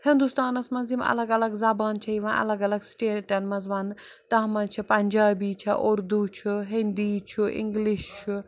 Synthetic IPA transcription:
hɪ̃nd̪ust̪aːnɐsmɐnzimɐ̰lɐɡɐlɐɡzaːbaːnt͡ʃʰɐiʋãʔɐ̰lɐɡɐlɐɡsʈeːʈɐnmɐzʋaːnt̪ɐɦmɐt͡ʃʰɐpɐnʲd͡ʒaːbiːt͡ʃʰɐʔʊɾd̪ut͡ʃʰuɦɪnd̪iːt͡ʃʰuʔɪ̰ŋɡliʃt͡ʃʰu

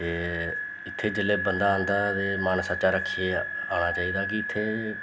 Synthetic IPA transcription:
eː | ɪt̪ʰːeːd͡ʒəlːeːbənd̪aːənd̪aːt̪eːmaːnsət͡ʃaːɾəkʰːieː | aːɽ̃aːt͡ʃaːiːd̪aːk̬ɪɪt̪ʰːeː

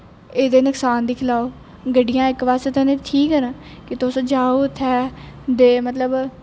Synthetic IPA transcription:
eːd̪eːnəksaːnd̪iːkʰɪlaːoː | ɡəɖɪjãːɪkʋaːst̪eːt̪ãneːt̪ʰiːkɦɛna | kɪt̪ʊsõd͡ʒaːoːt̪ʰɛːd̪eːmət̪ləb

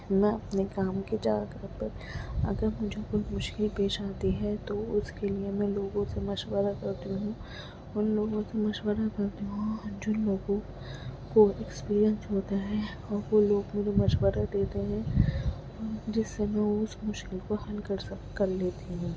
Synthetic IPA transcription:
mɛ̃ɐpnekaːmked͡ʒaːɡɾəpəɾ | ɐ̰ɡəɾmʊd͡ʒʱekoimʊʃkɪlpeːʃaːt̪iɦɛt̪oʊskeliemɛ̃loːɡõsemɐʃwəɾakɐɾt̪iɦũː | ʊnloːɡõsemɐʃwəɾakɐɾt̪iɦuũɔːd͡ʒʊnloːɡõ | koɛkspiːɾijə̃nsɦoːt̪aɦɛ | ɔːɾʋoloːɡmeːɾemɐʃwəɾad̪eːt̪eɦɛ̃ | ɔːɾd͡ʒɪsːemɛ̃oʊsmʊʃkɪlkoɦɐlkɐɾ | kɐɾleːt̪iɦũː

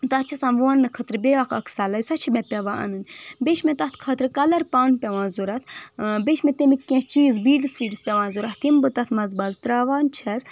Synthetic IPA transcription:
t̪ɐt̪t͡ʃʰɐsãmʋuɐnːɨkʰɐt̪ɾɨbeakɐkʰsaːlɐjsɐt͡ʃʰimepʲɐʋãːʔɐ̰nɨnʲbeʃʰmet̪ɐt̪ʰkʰɐt̪ɾɨkɐlɐɾpaːnpʲɐʋãːnzuɾɐt̪ʰbeʃʰmẽt̪emikʲːẽt͡ʃiːzbiːɖsʋiːɖspʲɐʋãːnzuɾɐt̪t̪imbɨt̪ɐt̪ʰmɐzbɐzt̪ɾaːʋaːnt͡ʃʰɐz

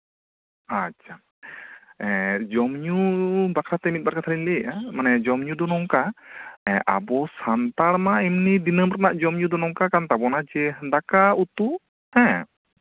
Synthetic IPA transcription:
at͡ʃa | ɛd͡ʒɔmɲubakɾat̪ɛmit̪̚barkat̪ʰalinleʔamanajad͡ʒɔmɲudɔnɔŋkaɛʔa̰bɔsant̪armaimnidinəmrnaʔd͡ʒɔmɲudɔnɔŋkakant̪abɔnad͡ʒɛɦəndakaut̪u | ɛ

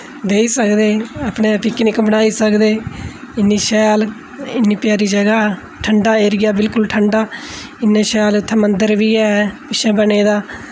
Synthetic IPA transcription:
ʋeːiːsəkd̪eːapneːpʰɪknɪkbənaːiːsəkd̪eːɪnːiːʃɛːl | ɪnːiːpɪjaːɾiːd͡ʒəɡaː | ʈʰəɳɖaːeːɾɪɡaːbɪlkʊlʈʰəɳɖaː | ɪnːẽːʃɛːlʊt̪ʰːẽːmənd̪əɾʋiːɛːpɪʃʰɛ̃ːbəneːd̪aː

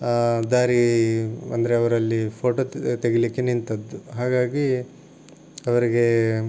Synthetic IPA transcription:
d̪aːɾi | ɐ̰nd̪ɐɾeɐʋɐɾɐlːipʰoːʈoːt̪eɡelikːenint̪ɐd̪ːuɦaːɡaːɡi | ɐʋɐɾiɡe̞

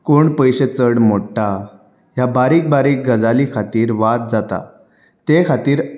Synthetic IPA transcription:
koɳpəjɕet͡səɽmoʈːa | jabaɾiːk̚baɾiːk̚ɡəd͡zalikʰat̪iːɾʋat̪̚d͡zat̪a̰ | t̪ekʰat̪iːɾ

